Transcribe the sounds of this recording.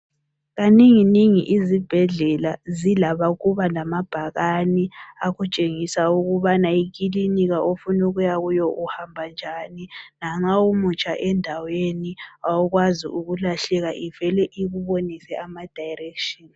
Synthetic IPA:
ɣaniŋiniŋiʔizib̥ʱɛɮɛlazilaβaɣuβalamab̥ʱaɣaniaɣut͡ʃʼeŋisauɣuβanaik̬ʼiliniɣaʔofunuɣujaɣujɔʔuhambʱand͡ʒʱaːninaŋ͡ǁaumut͡ʃʼa̰ʔɛndʱaweniaɔɣwazḭuɣulaɬɛɣaʔivɛlɛʔiɣuβonisɛʔamad̥ʱajrɛkʃin

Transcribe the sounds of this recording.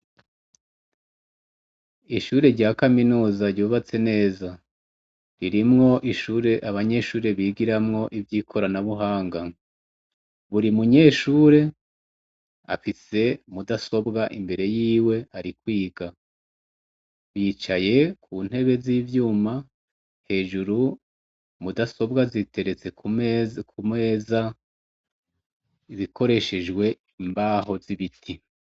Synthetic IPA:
iʃuːɾe̞ɾɟaːkaminuːzaɾɟuːβat͡se̞ne̞ːza | ɾiɾimŋo̞ʔiʃuːɾe̞ʔaβaɲe̞ʃuːɾe̞βiːɡiɾamŋo̞ʔivjiːkʰo̞ɾanaβuɦaːŋɡa | βuɾimuɲe̞ːʃuːɾe̞ | a̰fise̞mudaso̞bɡaʔimbe̞ɾe̞jiːwe̞aɾikwiːɡa | βiːt͡ʃaje̞kʰuːn̥e̞βe̞ziːvjuːma | he̞ːʒuɾu | mudaso̞bɡazite̞ɾe̞t͡se̞kukʰumeːza | iβikʰo̞ɾe̞ʃe̞d͡ʒɡwe̞ | imbaːɦo̞vziβitʰi

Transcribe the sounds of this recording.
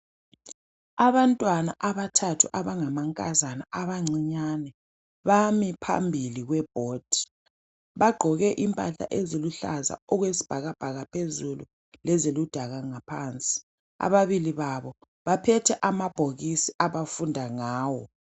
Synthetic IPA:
aβantʼwanaʔaβatʰatʰuʔaβaŋamaŋkʼazanaʔaβaŋ͡ǀiɲanɛ | βamipʰa̰mbʱiliɣwɛb̥ʱoːd̥ʱi̥ | βaɡ͡ǃʱɔɣɛʔimpʼaɬa̰ʔeziluɬa̰za̰ɔɣwesi̥b̥ʱaɣab̥ʱaɣapʰezulṵ | lɛzilud̥ʱaɣaŋapʰaːnt͡sʼi̥ | a̰βaβiliβaβɔ | βapʰɛtʰɛʔamab̥ʱoɣisiʔaβafundʱaŋaːwɔ

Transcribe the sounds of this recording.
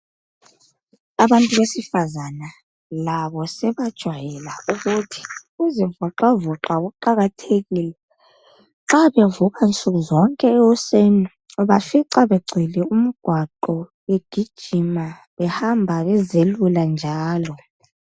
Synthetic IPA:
aβantʼuβesifazana | laβɔsɛβad̥ʒ̥ʱwajɛlauɣutʰi̥uziɱvɔǁavɔǁaɣuǃaɣatʰeɣilɛ | ŋ͡ǁaβevuɣaint͡sʼuɣuzɔŋkʼɛɛɔseni | ɔβafiǀaβeɡ͡ǀʱilɛum̩ɡ̥ʱwaǃɔ | weɡ̥ʱid̥ʒ̥ʱima | βɛhambʱaβɛzeluland͡ʒʱaːlɔ

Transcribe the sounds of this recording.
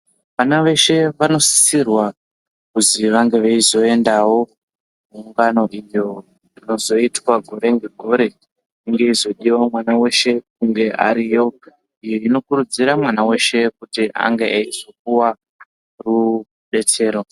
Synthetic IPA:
ʋanaʋe̞ʃe̞ʋano̞si̥sirwa | kuziʋaŋɡe̞ʋeizo̞e̞ndawo̞ | muːŋɡano̞ʔijo | rino̞zo̞itwaɡʱo̞ɾe̞ŋɡe̞ɡʱo̞ɾe̞ | iŋɡe̞izo̞ɗiwamwanawe̞ʃe̞k̚uŋɡe̞ʔa̰ɾijo̞ | ijoino̞kuɾud͡ziɾamwanawe̞ʃe̞kutiʔa̰ŋɡeʔait͡suk̚uwa | ru | ɗe̞t͡se̞ːɾo̞

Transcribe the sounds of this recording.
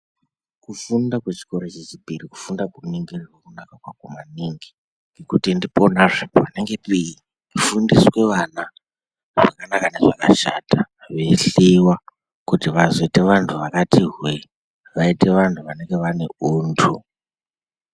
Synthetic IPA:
kufundakwet͡ʃi̥ko̞ɾot͡ʃet͡ʃipiriku̥fundakuniŋɡerirwokunakakwakumaniŋɡi | ŋɡe̞kutindiponaʐepopane̞ŋɡe̞pii | kufundiswe̞ʋana | ʐ̥akanakaneʐaka̰ʃa̰ta | ʋeɬiwa | kutiʋazo̞ite̞ʋantʰuʋakatiɦwe | ʋaite̞ʋantʰuʋane̞ŋɡe̞ʋane̞uːntʰu

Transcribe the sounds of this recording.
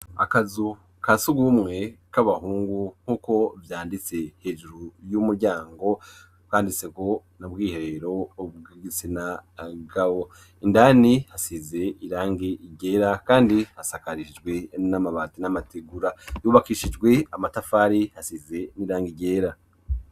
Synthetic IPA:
a̰kazu | kasuɡumŋe̞kaβahuːŋɡuŋ̥huːko̞vjaːndit͡se̞he̞ːʒuɾujumuɾɟaːŋɡo̞ | kaːndiseko̞nabɡiːheɾeɾo̞ɡiɡit͡sinaɡawo | indanihasize̞ʔiɾaːŋɡiɟe̞ːɾakaːndihasakaɾiʃid͡ʒɡwe̞namaβaːtinamateɡuɾajuːβakiːʃid͡ʒɡwe̞amatafaːɾihasize̞niɾaːŋɡiɟe̞ːɾa

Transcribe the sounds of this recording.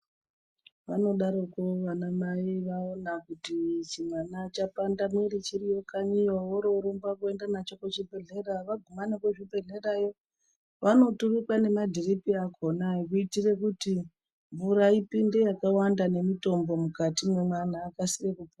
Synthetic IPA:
ʋano̞ɗaɾokoʋanamaiʋaonakutit͡ʃimanat͡ʃapandamiɾit͡ʃiɾijo̞kaɲiwawoɾo̞ɾumbakue̞ndanat͡ʃo̞kot͡ʃibʱe̞ɮe̞raʋaɡʱumanekweʐibʱe̞ɮe̞rajo̞ | ʋano̞turikwane̞madʱiripiakʰo̞naikuitire̞kuti | ɱvuɾaipinde̞jakawandane̞mito̞mbo̞mukatimwe̞man̤aːkasirekupo

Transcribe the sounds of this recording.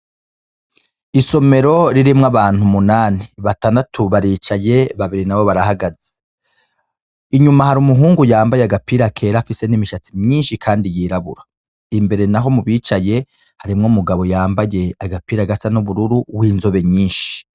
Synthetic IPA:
iso̞me̞ɾo̞ɾiɾimŋaβaːn̥humunaːniβataːndatʰuβaɾiːt͡ʃaje̞βaβiɾinaβo̞βaɾahaɡaze̥ | iɲumahaɾumuɦuːŋɡujaːmbajeaɡapiːɾapkʰe̞ːɾafise̞nimiʃat͡simɲiːnʃikʰaːndijiːɾaβṵɾa | imbe̞ɾe̞naɦo̞muβiːt͡ʃaje̞ | haɾimŋomuɡaβo̞jaːmbaje̞aɡapiːɾaɡasanuβuɾuɾuwiːnzo̞βe̞ɲiːnʃi̥

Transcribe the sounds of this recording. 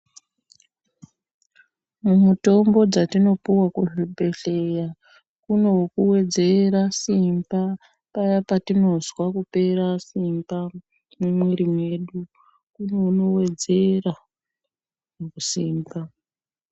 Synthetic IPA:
mumuto̞mbo̞d͡zatino̞puwakuɦibʱe̞ɬeja | kuno̞wukuwe̞d͡ze̞ɾasimba | pajapatino̞zwakupe̞ɾasimba | mumweɾimwe̞ɗu | kuno̞uno̞we̞d͡ze̞ra | kusiːmba

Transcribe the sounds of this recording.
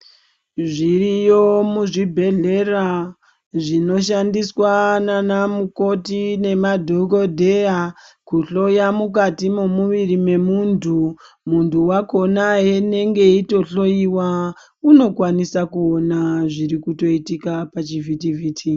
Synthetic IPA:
ʐirijo̞muʐibʱe̞ɮe̞ra | ʐino̞ʃandiswananamuko̞tine̞madʱoko̞dʱe̞akuɬo̞jamuk̬atimomuʋirime̞muntʰu | muntuwako̞naɦene̞ŋɡe̞ito̞ɬo̞jiwa | uno̞kwanisakuo̞naʐiɾikuto̞itikapat͡ʃivʱitiviːtʰi

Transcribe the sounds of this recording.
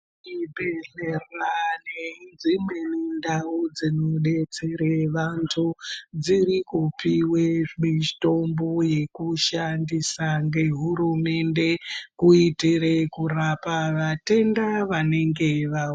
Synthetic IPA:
ibeɮeranenzimenindaud͡zino̞ɗe̞t͡se̞ɾeʋantʰud͡ziɾikupiweʐito̞mboje̞kuʃandisaŋɡe̞ɦuɾume̞nde̞kuitiɾekurapaʋate̞ndaʋane̞ŋɡe̞ʋa

